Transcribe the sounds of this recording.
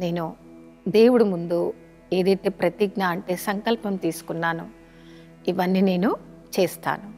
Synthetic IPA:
ne̞ːnu | d̪e̞ːwuɽumund̪u | e̞ːd̪ɐjt̪e̞ːpɾɐt̪iɡnaːɐɳʈe̞ːsɐŋkɐlpɐmt̪iːsu̥kunːaːnṵ | iʋɐnːiːne̞ːnu | t͡ʃe̞ːst̪a̰ːnu

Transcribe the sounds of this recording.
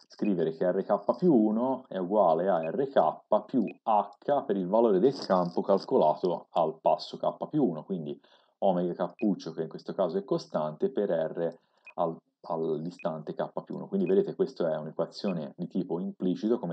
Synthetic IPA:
skɾiːveɾekeɛrːekapːapjuuːnoɛuɡwaːleaɛrːekapːapjuakʰːapeɾilvaloːɾed̪elkʰampokalkolaːt̪oalpasːokapːapjuːnokwind̪i | ɔmeɡakapːut͡ʃːokeiŋkwest̪okaːzoɛkːost̪ant̪epeɾɛrːe | al | ald̪ist̪ant̪ekapːapjṵːno̰kwind̪ived̪eːt̪ekwest̪oɛunekwat̪sːjoːnḛd̪it̪iːpoimplit͡ʃit̪okome

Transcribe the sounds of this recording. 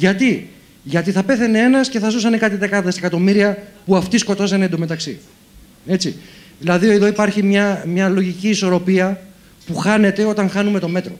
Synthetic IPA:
ʝɐt̪i | ʝɐt̪iθɐpe̞θenee̞nɐsce̞θɐzusɐne̞kɐt̪iðekɐðesekɐt̪o̞miɾiɐpuɐft̪isko̞t̪o̞sened̪ome̞t̪ɐksi | e̞t͡si | ðilɐðieðo̞ipɐɾçimɲɐmɲɐlo̞ʝiciːso̞ɾo̞piɐ | puxɐne̞t̪e̞o̞t̪ɐŋxɐnume̞t̪o̞me̞t̪ɾo̞̰

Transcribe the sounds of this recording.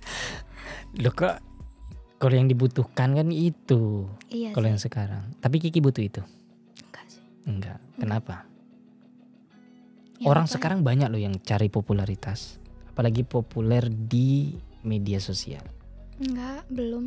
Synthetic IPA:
lohkaʔ | kalojaŋdibut̪uhkankanit̪u | kalojaŋsəkaɾa̰ŋt̪ap̬ikikibut̪ʊhit̪u | əŋɡa̰ʔkənapa | oɾaŋsəkaɾaŋbaɲak̚lʊhjaŋt͡ʃaɾipopulaɾit̪asapalaɡipopulɛrdimediasosḭa̰l | ŋɡabəlʊm

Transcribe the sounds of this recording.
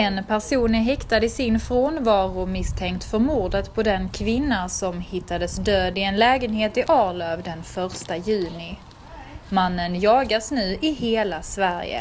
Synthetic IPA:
ɛnpʰæɾʂuːnəɦɛkt̪ad̪əɪsɪnfɾoːnvɑːɾʊmɪst̪ʰɛŋk̚t̪fœɾmuːɖət̪pʰɔd̪ɛnkʰvɪnːasɔmhɪt̪ːad̪əsd̪øːd̪ɪɛnlɛːɡənɦeːt̪ɪʔɑːlœːvd̪ɛnfœɾʂt̪ajʉ̟ːnɪ | manːənjɑːɡasnʉ̟ːʔɪɦeːlasvæɾjə̰

